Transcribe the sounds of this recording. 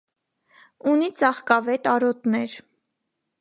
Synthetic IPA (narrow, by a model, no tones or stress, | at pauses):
unit͡sɑχkɑvɛt̪ɑɾɔt̪nɛɾ